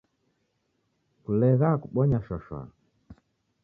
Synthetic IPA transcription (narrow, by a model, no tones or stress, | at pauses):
kulɛɣakuɓɔɲaʃɔʃwa̰